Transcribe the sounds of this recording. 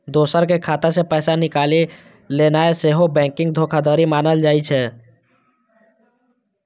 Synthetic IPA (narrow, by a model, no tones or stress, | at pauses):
d̪oːsəɾkekʰaːt̪esepɛːsanɪkaːli | leːnaːeseːɦobɛ̃ːŋkɪ̃ŋɡ̚d̪ʱoːkʰad̪ɔːɾimaːnəld͡ʒaːit͡ʃʰɛː